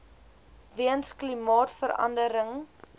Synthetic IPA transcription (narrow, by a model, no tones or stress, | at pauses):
viənsklimɑːtfəɾɐ̰ndəɾəŋ